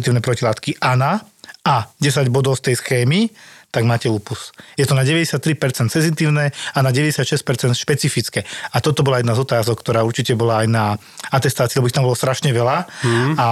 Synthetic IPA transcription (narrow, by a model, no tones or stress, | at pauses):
it̪iːʊnɛpɾɔcilaːt̪kiʔana | aɟɛsaɟbɔd̪ɔʊst̪ɛjsxɛːmit̪aɡmaːcɛuːpusjɛt̪ɔnaɟɛʋɛɟɛsjat̪ːɾipɛɾt͡sɛnt̪sɛnzit̪iːʊnɛanaɟɛʋɛɟɛsjat̪ʃɛsc̚pɛɾt͡sɛnt̪ʃpɛt͡sifit͡skɛat̪ɔt̪ɔbɔlajɛd̪nazɔt̪aːzɔkt̪ɔɾaːuɾt͡ʃicɛbɔlaːjna | at̪ɛst̪aːt͡siːlɛbɔit̪ambɔlɔst̪ɾaʃɲɛʋɛlaa